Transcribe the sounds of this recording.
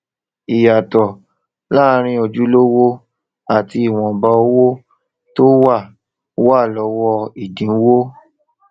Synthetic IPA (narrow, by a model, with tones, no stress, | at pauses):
i˨ja˨tɔ˨ | la˦˧ɾ̃ĩ˦o˧d͡ʒu˦lo˦wo˦ | a˨ti˧i˨w̃ɔ̃˨ba˧˦o˧˦wo˦ | to˦wa˦˨˦ | wa˦˨lɔ˧wɔ˧i˨dĩ˨˦wo˦